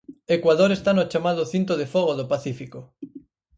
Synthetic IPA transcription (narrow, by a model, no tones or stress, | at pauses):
ekwaðoɾest̪anot͡ʃamaðoθint̪̬oðefɔɣ̞oðopaθifiko